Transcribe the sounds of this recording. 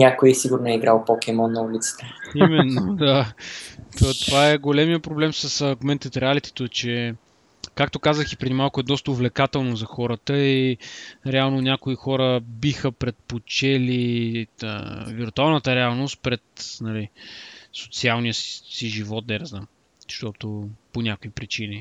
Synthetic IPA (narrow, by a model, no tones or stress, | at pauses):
ɲʲakojiɛsiɡʊɾnoɛiɡɾalˠpɔkɛmɔnːɐulit̪sə̥t̪ɛimɛnːod̪a | t̪ot̪ovaɛɡolɛmijəpɾoblɛmsəsəɾɡomɛnt̪ət̪ɾɛalit̪ɛ̥t̪ot͡ʃɛ | kak̚t̪okazəxipɾɛd̪imalˠkʊɛd̪ɔst̪əʊvlɛkat̪ɛlˠnozɐxɔɾət̪əi | ɾɛalˠnonʲakoixɔɾəbixəpɾɛt̪̚pot͡ʃɛliə̰viɾt̪ualˠnət̪əɾɛalˠnost̪̚pɾɛt̪nɐliso̥t̪sialˠnijəsiʒivɔt̪̚d̪ɛɾzam | ʃt̪ɔt̪oponʲakoipɾit͡ʃini